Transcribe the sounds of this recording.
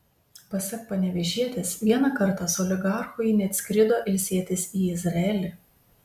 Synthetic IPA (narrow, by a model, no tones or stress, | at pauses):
pɐsʲɛk̚pɐnʲɛʋʲɛʒʲiɛt̪ʲɪsʋʲiɛnɑkɐɾt̪ɑsʊɔlʲɪɡɑˑɾxʊjnʲɛt̪ʲsʲkʲɾʲɪd̪oːʔɪlʲsʲiɛt̪ʲɪsiːɪzɾɐɛlʲɪ